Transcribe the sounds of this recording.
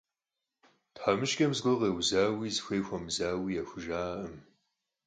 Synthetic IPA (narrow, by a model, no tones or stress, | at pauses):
tħamɨʃɡʲɐmzɡʷɨʁeːwzaːwiːzxʷeːxʷɐmzaːwiːjaxʷʊʒaːʔɐm